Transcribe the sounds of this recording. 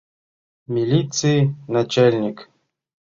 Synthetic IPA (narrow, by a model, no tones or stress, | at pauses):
mʲilʲit̪sɨjɪnɐt͡ɕalʲnʲɪk